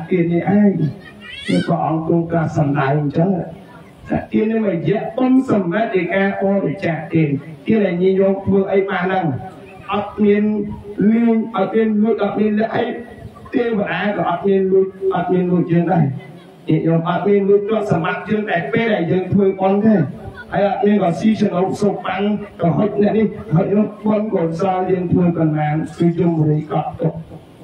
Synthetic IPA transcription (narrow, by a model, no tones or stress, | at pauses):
aʔkiət̪̚niʔaɛŋt̪ə | kəːpəʔɑŋkuəkaːsɑmɗajɲt͡ɕəŋa | sa̰ːʔkiənɨŋɔjɛəʔpɨnsɑmrat̪̚ɗɨkaːʔoːɾit͡ɕaːʔt̪eːkiəɗaɛlɲiəɲjɔːŋ̚t̪ʰʋəːʔəjɓaːnɗaŋ | ʔɑt̪̚miənmiŋʔɑt̪̚miənluəc̚ʔɑt̪̚miənlɛ̆əʔəj | t̪eːpəɗaːkɑːʔɑt̪̚miənluəc̚ʔɑt̪̚miənluəc̚jəːŋɗaɛ | ɲiəʔjɔːŋʔɑt̪̚miənluəc̚tɔəʔ̚samɓap̚jəːŋɗaɛlpeːlɗaɛljəːŋt̪ʰʋəːɓonk̪ʰaːhəəjʔɑt̪̚miənrɔːsiːt͡ɕʰənoːp̚soːp̚ɓaŋkɔɦot̪̚nɛ̆əʔnihɦot̪̚ɾut̪̚ɓonkɔsɑːjəːŋt̪ʰʋəːkɑnlaːŋkɨːt͡ɕumːoɾijkɑt̪oʔ̚